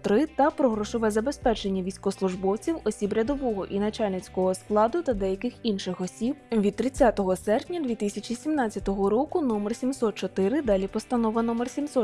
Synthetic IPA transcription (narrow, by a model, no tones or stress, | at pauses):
t̪ɾɪt̪ɐpɾɔɦɾɔʃɔʋɛzɐbe̞spɛt͡ʃenʲːɐʋʲijsʲkɔslˠʊʒbɔwt͡sʲiwɔsʲibɾʲɐd̪ɔʋɔɦɔʔinɐt͡ʃalʲnɪt͡sʲkɔɦɔsklˠɑd̪ʊt̪ɐd̪ɛjɐkɪxinʃɪxɔsʲibʋʲid̪̚t̪ɾɪt͡sʲːat̪ɔɦɔsɛrpʲnʲɐd̪ʲʋʲit̪ɪsʲɐt͡ʃʲisʲimnɑt̪ʲt͡sʲːɐt̪ɔɦɔɾɔkʊnɔmersʲimsɔt̪̚t͡ʃɔt̪ɪɾɪd̪ɑlʲipɔst̪ɐnɔʋɐnɔmersʲimsɔ